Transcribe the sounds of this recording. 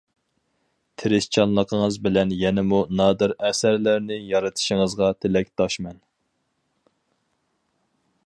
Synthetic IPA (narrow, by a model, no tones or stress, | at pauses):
t̪ʰɪɾɪst͡ʃʰɑnlˠəqʰəŋəzbɪlɛnjɛnɪmunɑːd̪ɨɾɛsæɾlæɾnɪjɑɾɨt̪ʰɨ̥ʃɪŋəzʁɑt̪ʰelɛk̚ʲt̪ɑʃmɛn